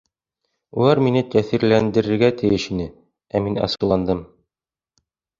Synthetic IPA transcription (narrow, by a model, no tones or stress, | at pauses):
ulˠɑɾminɘt̪æθiɾlænd̪ɘ̆ɾɘ̆ɾɡæt̪ɘ̆jɘʃinɘ | æminɑ̰sɤ̆lˠɑnd̪ɤm